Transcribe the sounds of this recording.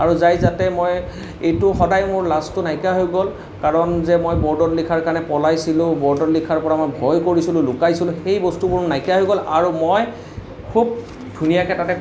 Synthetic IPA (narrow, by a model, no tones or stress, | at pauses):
aɹuzajzatɛmoj | ejtʊxɔdajmʊɹlastʊnajkaɦojɡɔl | kaɹɔnzɛmojbɔɹdɔtlikʰaɹkanɛpɔlajsilʊ̃bɔɹdɔtlikʰaɹpɔɹamojbʱɔjkoɹisilʊlʊkajsilʊ̃xejbɔstubuɹnajkaɦojɡɔla̰ɹumoj | kʰub̚ | dʱunijakɛtatɛ